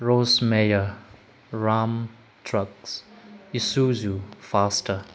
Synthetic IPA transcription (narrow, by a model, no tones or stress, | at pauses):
ɹosmejə | ɹam | tʰɹʌksisuzufastʰə